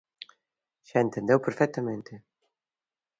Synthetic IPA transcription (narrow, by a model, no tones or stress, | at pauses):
ɕæent̪end̪ewpeɾfɛk̚t̪ament̪e